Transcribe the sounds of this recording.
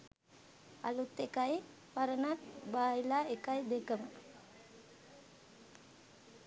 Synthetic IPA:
a̰lut̪ːekaj | paɾənaʈ̚baːilaːekajd̪ekəmə

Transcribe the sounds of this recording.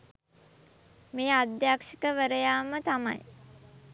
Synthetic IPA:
meːad̪jaːkʂikəʋəɾəjaːmət̪ama̰j

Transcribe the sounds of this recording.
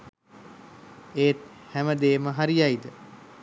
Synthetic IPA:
eːt̪hæməd̪eːməɦaɾijaid̪ə

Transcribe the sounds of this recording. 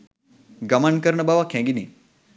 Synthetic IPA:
ɡəmankəɾɳəbaʋakʰẽɡini

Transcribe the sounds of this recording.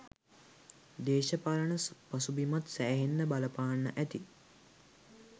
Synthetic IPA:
d̪eːʃəpaːlənəspasubimat̪sæːɦenːəbaləpaːnːəʔæt̪i

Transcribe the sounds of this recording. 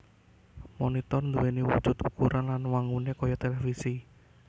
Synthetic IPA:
mɔnit̪ɔrnd̪uwenewṵ̥ʒ̥ut̪ukuɾʔanlanwaŋɡunekɔjɔt̪elefisi

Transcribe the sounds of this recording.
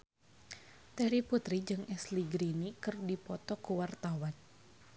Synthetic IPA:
t̪ɛɾiput̪ɾid͡ʒɨŋɛsliɡɾinikɨrdipɔt̪ɔkuwart̪awan

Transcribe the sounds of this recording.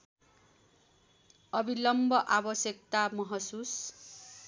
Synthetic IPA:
ʌbilʌmbʱʌʔabʌsjʌkt̪amʌɦʌsus

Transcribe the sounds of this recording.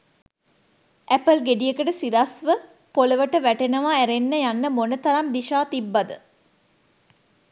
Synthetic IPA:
ʔæpəlɡeɖijekəʈəsiɾasʋə | poləʋəʈəʋæʈenəʋaːæɾenːəjanːəmonət̪ɐɾamd̪iʃaːt̪ibːad̪ə

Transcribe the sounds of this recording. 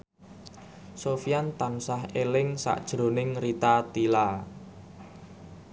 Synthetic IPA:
sofijant̪aŋsaɦelɪŋsa̰ʔd̥ʒ̥ɾo̤nɪŋrit̪at̪ila

